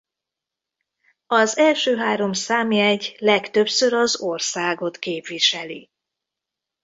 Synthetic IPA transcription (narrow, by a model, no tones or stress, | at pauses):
ɒzɛlʃøːɦaːɾo̞msaːmiɛɟlɛkt̪ø̞psøɾɒzo̞rsaːɡo̞t̪keːpʋiʃɛli